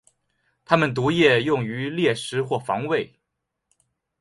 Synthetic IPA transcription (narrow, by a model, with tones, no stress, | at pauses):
t̪ʰa˥mə˨nt̪̬u˧˥jɛ˥˧jʊ˥˩ŋy˧˥ljɛ˥˩ʂɻ̩˧˥xwɔ˥˩fɑ̰˧˥ŋwe˥˩ɪ